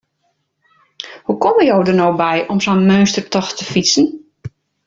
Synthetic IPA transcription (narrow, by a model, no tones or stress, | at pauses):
hukɔməjowdərnowbɛjʔɔmsonmøːnstərtɔxtəfisən